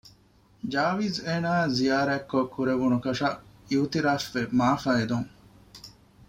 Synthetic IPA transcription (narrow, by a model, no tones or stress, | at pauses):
d͡ʒaːʋizeːnaːzijaːɾæːkːokːuɾeʋunukɐʃɐiut̪iɾaːfʋemaːfɐed̪uŋ